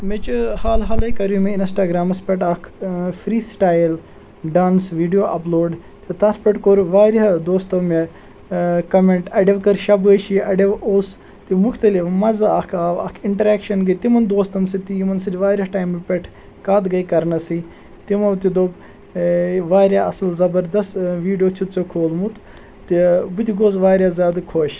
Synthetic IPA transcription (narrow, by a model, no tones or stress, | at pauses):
met͡ʃuhaːlɦaːlɐjkɐɾjumeinsʈaːɡɾaːmɐspʲeʈɐkʰfɾiːsʈaːjl | ɖaːnsʋiːɖijoːʔɐploːɖ | t̪it̪ɐt̪ʰpʲeʈkoɾʋaːɾɦd̪oːst̪ɐme | kɐmeɳʈɐɖeʋkɐɾʃɐbɐʃiʔɐɖeʋoːs | t̪imukʰt̪ɐlifmɐzɐɐkʰːɐ̰kʰiɳʈɐɾaːkʃɐnɡɐt̪imɐnd̪oːst̪ɐnsit̪iimɐnsɐd͡ʒʲʋaːɾʲɐʈaːjmːepʲeʈʰ | kaːd̪ɡɐikɐɾnɐsi | t̪imɐʋt̪id̪oːb | ʋaːɾʲaɐ̰sɐlzɐbɐɾd̪ɐst̪ʋiːɖijoːt͡ʃʰut̪t͡sokʰoːlmut̪ | t̪ibut̪ʲiɡoːzʋaːɾʲazʲaːd̪ɨkʰoːʃ